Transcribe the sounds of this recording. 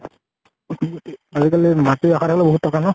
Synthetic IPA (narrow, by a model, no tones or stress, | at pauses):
azikalimatiɔxatʰakɔlɛboɦutːɔkanɔ